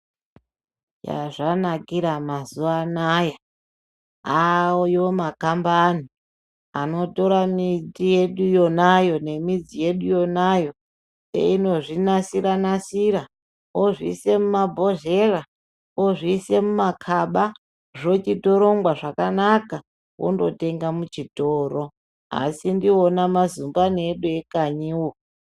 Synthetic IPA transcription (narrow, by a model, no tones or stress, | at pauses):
ja̰ʐanakiɾamazuanaja | awojomakambani | a̰no̞to̞ɾamitije̞ɗujo̞najo̞ne̞mid͡zije̞ɗujo̞najo̞ | sḛino̞ʐinasiɾanasiɾa | oʐḭse̞mumabʱo̞ʒe̞ra | oʐiːse̞mumakʰaɓa | ʐo̞t͡ʃito̞ɾo̞ŋɡwaʐakanaka | wʔo̰ndo̞̰te̞ŋɡamut͡ʃitoːɾo̞ | a̰sindionamazumbaneɗuekaɲiwo